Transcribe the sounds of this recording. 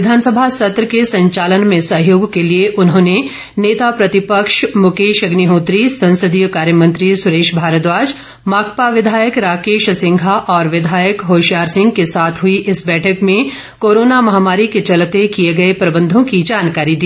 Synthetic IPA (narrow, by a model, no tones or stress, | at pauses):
ʋɪd̪ʱaːnsəbʱasɐt̪ɾəkesɐ̃ɲt͡ʃaːlənmẽsɐɦjoːɡkelieʔʊnɦõːne | neːt̪apɾɐt̪ɪpəkʃmʊkeːʃɐɡniɦõːt̪ɾisɐ̃nsəd̪ʱijəkaːɾjəmɐ̃nt̪ɾisʊɾeːʃbʱaːɾət̪ʋaːd͡ʒ | maːkpaʋɪd̪ʱaːjəkɾaːkeːʃsɪ̃ŋɡʱaʔɔːɾʋɪd̪ʱaːjəkɦoːʃjaːɾsɪ̃ŋɡkesaːt̪ʰɦʊiʔɪsbɛːʈʰəkmẽ | koːɾoːnamɐɦaːmaːɾiket͡ʃɐlt̪ekijeɡɐepɾɐbə̃nd̪ʱõkid͡ʒaːnkaːɾid̪iː